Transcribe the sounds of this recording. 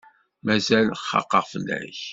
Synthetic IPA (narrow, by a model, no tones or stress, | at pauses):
mæzælχːɑ̰qːəʁfəlːæ̰ç